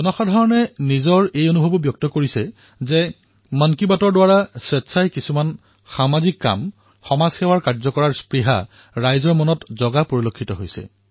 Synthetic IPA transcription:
ɡɔnɔxadʱɔɹɔnɛnizɔɹejonubʱobɔbjɔk̚tɔkoɹisɛ | zɛ | mɔnkibatɔɹdwaɹaswɛtsʰajkisuman | xamazikːa̰m | xɔmazxɛwaɹkaɹzɔkɔɹaɹspɹiɦa̰ | ɹajzɔɹmɔnɔtzɔɡapoɹilokʰːitɔɦojsɛ̰

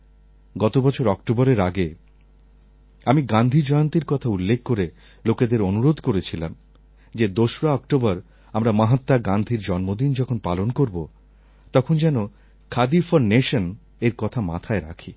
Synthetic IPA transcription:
ɡɔt̪obɔt͡ɕʰoɾɔkʈobɔɾeɾaɡe | amiɡand̪ʱid͡ʑɔeont̪iɾkɔt̪ʰaulːekʰːoɾe | loked̪eɾonuɾod̪ʱkoɾet͡ɕʰilam | d͡ʑed̪oʃɾaɔkʈobaɾ | amɾamaɦat̪ːaɡand̪ʱiɾd͡ʑɔnmod̪ind͡ʑɔkʰonpalonkoɾbo | t̪ɔkʰond͡ʑɛno | kʰad̪ifɔɾneʃon | eɾkɔt̪ʰama̰t̪ʰaeɾa̰kʰi

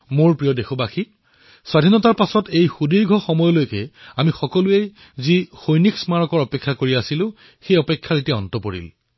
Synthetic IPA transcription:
moɹpɹijɔdexɔbaxi | swadʱinɔtaɹpasɔtejxudiɹɡʱɔxɔmɔjɔlojkɛamixɔkɔluej | zixojniksmaɹɔkɔɹɔpekʰːakoɹiasilʊ̃ | xejɔpekʰːaɹitiaɔntɔpoɹḭl

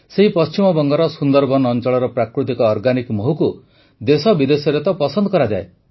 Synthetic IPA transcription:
seɦipɔst͡ʃimɔbɔŋɡɔɾɔsund̪ɔɾbɔnɔnt͡ʃɔɭɔɾɔpɾakɾut̪̬ikɔːɾɡanikmoɦuku | d̪esɔbid̪esɔɾet̪ɔpɔsɔnd̪ɔkɔɾad͡ʒae

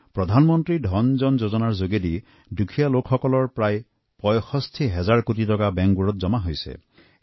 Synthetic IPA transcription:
pɾɔd̪ʱanmɔnt̪ɾidʱɔnd͡ʒɔnd͡ʒod͡ʒɔnaɹzoɡed̪i | dukʰijalokʰxɔkɔlɔɹpɾaj | pɔjxɔst̪ʰiɦɛzaɹkutitɔkabɛŋkɡuɾɔt̪̚d͡ʒɔmaɦojsḛ

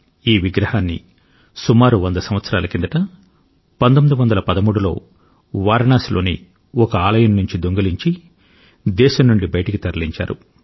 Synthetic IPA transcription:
iːʋiɡɾɐhaːnːḭ | sumaːɾuʋɐnd̪ɐsɐmʋɐt̪sɐɾaːlɐkind̪ɐʈɐ | pɐnd̪omid̪uʋɐnd̪ɐlɐpɐd̪ɐmuːɽulo̞̰ː | ʋaːɾɐɳaːslo̞ːnḭ | ɔkɐaːlɐjɐnnuɲt͡ʃid̪oŋɡɐliɲt͡ʃi | d̪ɛːʃɐnːuɳɖibɐjɐʈɐkit̪ɐɾɐliɲt͡ʃa̰ːɾṵ

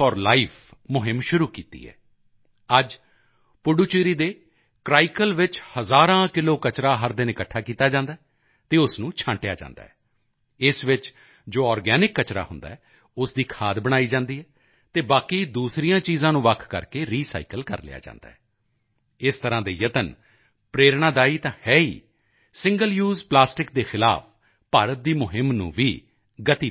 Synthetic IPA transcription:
ɔːɾlaːipʰmʊɦɪmʃʊɾuːkiːt̪ḭːɦɛ̰ː | əd͡ʒ | pʊɖuːt͡ʃiːɾiːd̪eː | kɾaːɪkəlʋɪt͡ʃhəzaːɾãːkɪloːkət͡ʃɾãːɦəɾd̪ɪnɪkəʈʰːaːkiːt̪aːd͡ʒãːnd̪aːɛ | t̪eːʊsnũːt͡ʃʰãːɳʈeja̰ːd͡ʒã̰ːnd̪a̰ːɦɛː | ɪsʋɪt͡ʃ | d͡ʒoːɔːɾɡɛːnɪkːət͡ʃɾa̰ːhʊnd̪a̰ːɛ | ʊsd̪iːkʰaːd̪bəɽ̃aːiːd͡ʒãːnd̪iːɦɛː | t̪eːbaːkiːd̪uːsɾijãːt͡ʃiːzãːnũːʋəkʰkə̰ɾkeːɾiːsa̰ːikəlkə̰ɾlɪ̰ja̰ːd͡ʒã̰ːnd̪a̰ːɦɛ | ɪst̪əɾãːd̪eːjət̪ən | pɾeːɾɳaːd̪aːiːt̪ãːhɛːḭː | sɪ̃ŋɡəljuːzplaːsʈɪk̚d̪eːxɪla̰ːpʰ | paːɾət̪̚d̪iːmʊɦɪmnṵ̃ːʋiː | ɡət̪iː

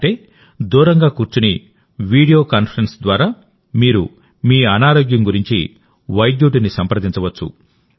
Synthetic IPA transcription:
ʈeː | d̪uːɾɐŋɡaːkuːɾt͡ʃuni | ʋiːɽijoːkaːnpʰɐɾensd̪ʋaːɾaː | miːɾṵ | miːɐnaːɾoːɡjɐmɡuɾiɲt͡ʃḭ | ʋɐjɖjuːʈ̬inisɐmpɾɐd̪iɲt͡ʃɐʋɐt͡ʃːṵ

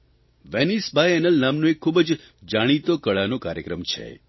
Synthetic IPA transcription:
ʋenisbʱajɛnəlnamnõekʰːubd͡ʒ | d͡ʒaɽ̃it̪okəɭanokaɾjə̰kɾəmt͡ʃʰḛ

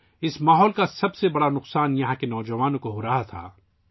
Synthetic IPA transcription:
ɪsmaːɦɔːlkasɐbsebɐɽanʊqsaːnjɐɦãkenɔːd͡ʒɐʋaːnõkoɦoɾɐɦat̪ʰa̰ː

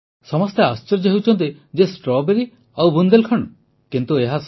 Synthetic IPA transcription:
sɔmɔst̪east͡ʃɔɾd͡ʒɔɦewt͡ʃʰɔnt̪ed͡ʒesʈɾɔbeɾi | awbund̪elkʰɔɳ | kint̪ueɦas

